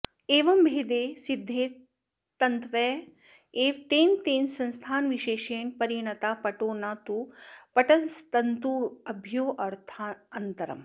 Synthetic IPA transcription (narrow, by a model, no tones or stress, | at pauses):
eːʋɐmbʱeːd̪eːsid̪ʱːeː | t̪ɐnt̪ʋɛː | eːʋt̪eːnt̪eːnsɐnst̪ʰaːnʋiʃeːʃeːɳpɐɾjɐɳɐt̪aːpɐʈoːnaːt̪upɐʈɐst̪ɐnt̪uɐbʱjoːʔɐɾt̪ʰaɐnt̪ɐɾɐ̰m